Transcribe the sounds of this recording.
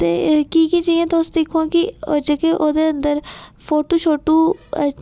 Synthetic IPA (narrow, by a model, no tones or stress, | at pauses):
t̪eːkiːkid͡ʒɐiẽːt̪oːsd̪eːkʰõːkiod͡ʒekeʔoːd̪eə̃nd̪əɾpʰoːʈuːʃoːʈuː